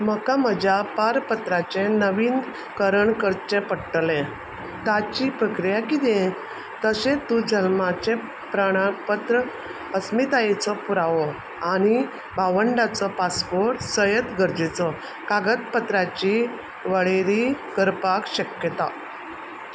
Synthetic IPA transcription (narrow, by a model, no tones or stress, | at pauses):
məkaməd͡ʑʱjapaɾpət̪ɾat͡ɕẽnəʋiːn | kəɾəɳkəɾt͡ɕẽpəɽʈlẽ | t̪at͡ɕipɾəkɾijakit̪ɛ̃ | t̪əɕẽt̪ːũd͡ʑəlmat͡ɕẽ | pɾəɽ̃apət̪ɾə | əsmit̪ajet͡sɔpuɾaʋɔ | añi | baʋəɳɖat͡sɔpaspoɾʈsəjət̪ɡʱəɾd͡ʑit͡sɔ | kaɡət̪̚pət̪ɾat͡ɕi | ʋəɭeɾikəɾpakɕəkjət̪a